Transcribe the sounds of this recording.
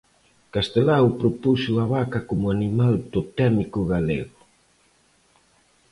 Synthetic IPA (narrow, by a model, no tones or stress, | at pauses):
kast̪elawpɾopusuaβakakomʊanimald̪ot̪ɛmikuɣalḛɣʊ